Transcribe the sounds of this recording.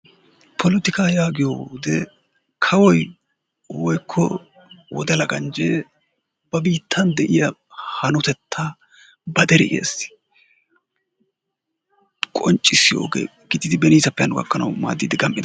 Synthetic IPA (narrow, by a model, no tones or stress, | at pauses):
pʰɔlɪt̪ɪkaːjaːɡɪjoːd̪ɛ | kʰɐwɔj | wɔjkʰːɔ | wɔ̰d̪ɛlɐɡɐnd͡ʒeː | b̥ɐbiːt̪ʰːɐnd̪ɛʔɪjɐhɐnʊt̪ɛt̪ʰːa | bɐd̪ɛɾɪ̰ʔḛːsɪ̥ | kʼɔnt͡ʃʼːɪsːɪjo̰ːɡḛː | ɡ̥ɪd̪ɪd̪ɪbɛniːsɐpːɛɐnʊɡɐ̰kːɐnɐ̰wma̰ːd̪ːiːd̪ɪɡɐmpʼːʔɪd̪